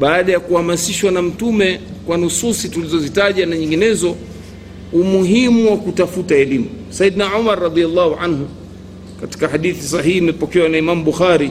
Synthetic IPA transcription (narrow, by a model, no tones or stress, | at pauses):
ɓaːɗajakuhamasiʃwanam̩tumɛkwanususitulizɔzitaʄanaɲiŋɡinɛzɔ | umuɦimuwakutafutaɛlimu | said̪naʕumaɾːɑðialːahuʕanhu | kati̥kaħaɗiθis̬aɦihːmɛpɔkɛwanaimamuɓuxaɾi